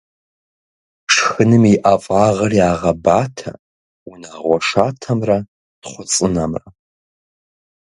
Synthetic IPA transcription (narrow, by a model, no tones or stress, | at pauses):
ʂxɨnɨmiʔafʼaːʁɐriaːʁɐbaːtʰa̰ | unaʁʷɔʂaːtʰɐmrɐ | d̥χʷʊt͡sʼɨnamrɐ̰